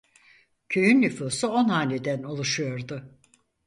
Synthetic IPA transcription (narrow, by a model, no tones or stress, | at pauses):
cʰø̞jynːʲyfuːsuo̞nhaːlʲed̪ænolˠuʃujo̞ɾd̪ʊ